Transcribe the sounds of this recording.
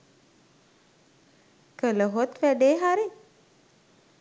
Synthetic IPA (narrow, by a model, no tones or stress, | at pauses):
kələɦot̪ʋæɖeːɦaɾi